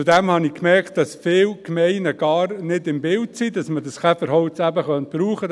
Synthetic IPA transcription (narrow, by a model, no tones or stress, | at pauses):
t͡sudɛmhɑnɪkmɛɾkt̚d̥ɑsfɪːlkmɛɪnəɡ̥ɑːrnɪdɪmbɪltsidɑsmədɑsχɛfəɾɦɔʊtt͡sæbəχœnt̚b̥ɾuːχə